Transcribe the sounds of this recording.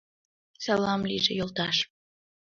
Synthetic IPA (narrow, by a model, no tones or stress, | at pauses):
sɑlɑmliʒejolt̪ɑʃ